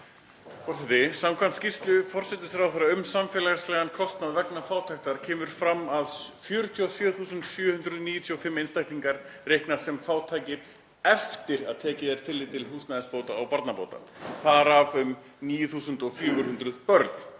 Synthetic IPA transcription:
fɔr̥sɛt̪ɪsamkʰanscist̪lʏfɔr̥sɛt̪ɪsɾawθaɾaʏmsamfɛːlaslɛɣankʰɔst̪naðvɛknafaːwt̪ʰajxt̪aɾ̥cʰɛːmʏɾ̥fɾamːaðfjʏɾt̪ʰjɔsjœːθuːsʏnt̪sjœːhʏnd̪ɾʏðniːjʏt̪ʰjɔfɪmːejnst̪ajht̪iŋkaɾrejhknḁsɛmfaːwt̪ʰajcɪɾ | ɛft̪ɪɾaðt̪ʰɛːcɪðɛɾ̥t̪ʰɪlːɪt̪ʰɪlhuːsnaðɛspowt̪aːwpaɾt̪napo̰ːwt̪a̰θaðɾavʏm | niːjʏθuːsʏnt̪ɔfjʏːɣʏɾhʏnt̪ɾʏðpœɾt̪n̥

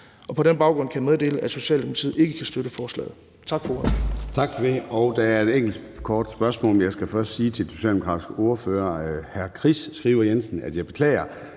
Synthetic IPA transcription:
ʔɒ̽pʰɒ̽ɾenb̥ɑ̈ʊɡ̥ʁɔ̽nkʰæjæmeðˠd̥e̝̰ːləæ̥so̝ɕɛ̰ːld̥emo̥t͡sʰḭð̩̰ˠe̝ɡ̥əkʰæsd̥øɾəfɒːslɛ̰ːð̩ˠ | t͡sʰɑ̈ɡ̥fɒoɐt͡sʰɑ̈ɡ̥fɒd̥eɒʊd̥ææɐe̝deŋ̰ɡl̩d̥ | kʰɒːd̥sb̥ɶɐsmɔ̰̽ljɑ̈ɪsɡ̥æfɶɐsd̥siːt͡sʰe̝ld̥so̝ɕɛ̰ld̥emokʰʁɑ̥̈isɡ̥əo̝ɐføːɐhæɐkʰʁisːɡ̥ʁiːʊɐjensn̩æd̥jɑ̈ɪb̥e̝kʰlɛ̰ːɪɐ

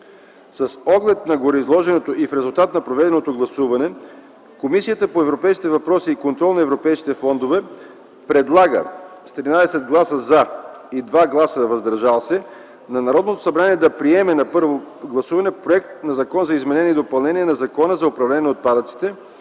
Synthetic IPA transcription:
sɐsɔɡlɛt̪nɐɡoɾɛizlˠɔʒɛnot̪oʔifɾɛzulˠt̪at̪nɐpɾovɛd̪ɛnot̪oɡlˠɐsuvɐnɛ | komisijət̪əpoɛvɾopɛjskʲit̪ɛvɐpɾɔsiːkont̪ɾɔlˠnɐɛvɾopɛjskʲi̥t̪ɛfɔnd̪ovɛ | pɾɛd̪lˠaɡə̰st̪ɾinad̪ɛsɛd̪ɡlˠasəza | id̪vaɡlˠasəvɐzd̪ɐɾʒalˠsɛ | nɐnɐɾɔd̪not̪o̥sɐbɾaniɛd̪ɐpɾiɛmɛnɐpɤɾvoɡlˠɐsuvɐnɛpɾoɛkt̪nɐzɐkɔnzɐizmɛnɛniid̪opɐlˠnɛniɛnɐzɐkɔnəzɐʊpɾɐvlɛnʲiɛot̪̚pad̪ət̪si̥t̪ɛ

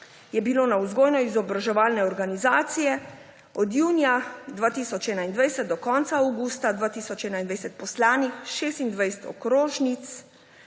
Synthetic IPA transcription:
jɛbiloːnauzɡoːjnɔizɔbɾaʒɛʋaːlnɛɔɾɡanizaːt̪sijɛ | ɔd̪juːnijad̪ʋaːt̪iːsɔt͡ʃɛːnaind̪ʋɛjsɛt̪̚d̪ɔkɔːnt̪saawɡuːst̪ad̪ʋaːt̪iːsɔt͡ʃɛːnaind̪ʋɛjsɛt̪̚pɔslaːnixʃeːst̪ind̪ʋajst̪ɔ̰kɾoːʒnit̪s

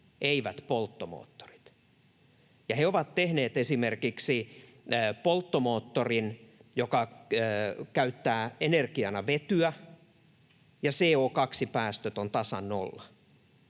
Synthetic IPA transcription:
ʔeiʋæt̪polt̪ːomo̰ːt̪ːo̥ri̥t̪ | jɑheoʋɑt̪t̪ehneːt̪esimerkiksi | polt̪ːomoːt̪ːorinjokɑ | kæyt̪ːæːenerkiɑnɑʋet̪yæ | jɑseːoːkɑksipæːst̪øt̪ont̪ɑsɑ̰nːo̰lːɑ

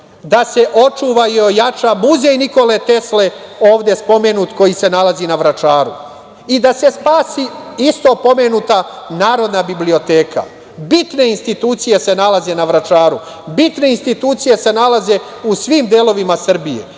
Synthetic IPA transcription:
d̪ase̞ʔo̞t͡ʃuːʋaio̞jat͡ʃamuzejniko̞le̞t̪e̞sle̞o̞ːʋd̪e̞spo̞me̞nuːt̪ko̞jise̞nalazinaʋɾat͡ʃaːɾu | id̪ase̞spaːsiist̪o̞po̞me̞nuːt̪anaːɾo̞d̪nabiblio̞t̪e̞ːkʰa̰ | bit̪ne̞inst̪it̪uːt̪sije̞se̞nalazenaʋɾat͡ʃaːɾu | bit̪ne̞inst̪it̪uːt̪sije̞se̞nalaze̞usʋiːmd̪eːlo̞ʋimasr̩bije̞̰

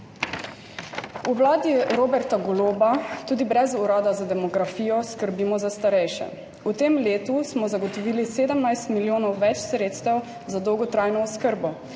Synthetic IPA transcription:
uwlaːd̪iɾoːbɛɾt̪aɡɔloːbat̪uːd̪ibɾɛzuɾaːd̪azad̪ɛmɔɡɾafiːjɔskəɾbimɔzast̪aɾɛjʃɛ̰ | ut̪emleːt̪usmɔzaɡɔt̪ɔʋiːliseːd̪əmnajst̪miljoːnɔwʋɛt͡ʃsɾeːt̪st̪ɛw | zad̪ɔwɡɔt̪ɾajnɔɔskəɾbɔ

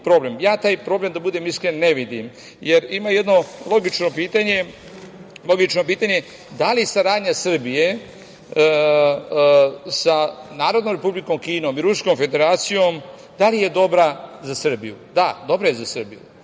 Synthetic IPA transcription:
pɾo̞ble̞mjaːt̪aːjpɾo̞ble̞md̪abud̪e̞ːmiskɾenːeʋid̪im | je̞ɾimaje̞d̪no̞lo̞ɡit͡ʃnopiːt̪aɲe̞ | lˠo̞ɡit͡ʃno̞piːt̪aɲe̞ | d̪alisaɾaːd̪ɲasr̩bije̞ | sanaːɾod̪nomɾe̞publiko̞mkiːno̞ːmiɾusko̞mfe̞d̪e̞ɾaːt̪sijo̞m | d̪alije̞d̪o̞bɾazasr̩bijṵd̪ad̪o̞bɾaje̞zasr̩bḭjṵ

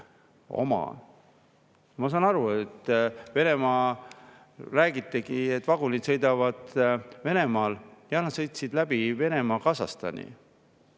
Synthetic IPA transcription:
o̞̰mɑ̰ | mɑs̬ɑːnɑɾuet̪ːve̞ne̞mɑː | ræːɡ̥it̪ˑːeɡiet̪ːˑvɑɡulʲid̪̥sɤ̞jd̪ɑvɑd̪̥ve̞ne̞mɑːljɑnɑt̪sɤjt̪sid̪læb̥ive̞ne̞mɑːkɑsɑ̰st̪ɑ̰nʲḭ

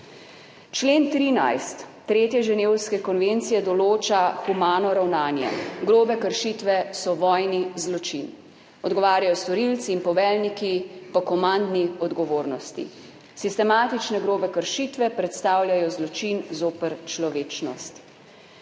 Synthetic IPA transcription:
t͡ʃleːnt̪ɾiːna̰jst̪ː | ɾeːt̪jɛʒɛneːwskɛkɔnʋent̪sijɛd̪ɔloːt͡ʃaxumaːnɔɾawnaːnjɛ̰ɡɾoːbɛkəɾʃit̪ʋɛsɔʋɔjnizlɔt͡ʃḭn | ɔd̪ɡɔʋaːɾjajɔst̪ɔɾilt̪siːnpɔʋɛːlnikipɔkɔmand̪niɔd̪ɡɔʋoːɾnɔst̪ḭ | sist̪ɛmaːt̪it͡ʃnɛɡɾoːbɛkəɾʃit̪ʋɛpɾɛt̪st̪aːwlʲjajɔzlɔt͡ʃinzoːpəɾt͡ʃlɔʋeːt͡ʃnɔ̰st̪

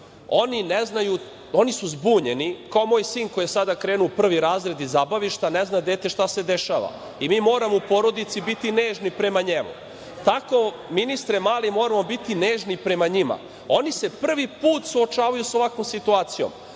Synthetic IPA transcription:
o̞nineznaju | o̞nisuzbuːɲe̞nikao̞mo̞ːjsiːnkojesad̪akɾe̞ːnupr̩ʋiɾaːzɾe̞d̪izabaʋiʃt̪aneznad̪e̞ːt̪e̞ʃt̪ase̞d̪eʃaːʋa̰ | imiːmo̞ːɾamo̞upo̞ɾo̞d̪it̪sibit̪ineːʒnipɾe̞maɲemṵ | t̪ako | minist̪ɾemaːlimo̞ːɾamo̞bit̪ineːʒnipɾe̞maɲima̰ | o̞nise̞pr̩ʋipuːt̪suot͡ʃaːʋajuso̞ʋakʋo̞msit̪uaːt̪sijo̰m

